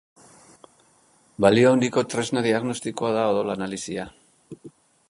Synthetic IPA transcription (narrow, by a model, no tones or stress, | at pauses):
balioawnd̪iko̞t̪ɾe̞znaðiaɣno̞st̪ikoaðaoðo̞laːnalisia